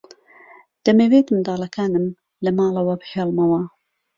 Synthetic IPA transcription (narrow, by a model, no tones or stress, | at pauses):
d̪̥ɐmeweːt̪ɨmd̪ɑːlˠɐkʰaːnɨm | lɐmɑːlˠɐwɐbɨħeːlˠmɐwɐ